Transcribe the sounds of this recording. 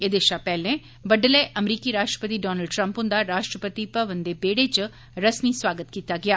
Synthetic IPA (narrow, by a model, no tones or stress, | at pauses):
ed̪ɪʃapɛːlẽ | bəɖəleʔəmɾiːkiɾaːʃʈɾə̥pət̪iɖɔːnəlɖʈɾə̃mpɦʊ̃nd̪aɾaːʃʈɾəpət̪ipəʋənd̪ebeːɽet͡ʃ | ɾəsmiswaːɡət̪kiːt̪aɡɪaː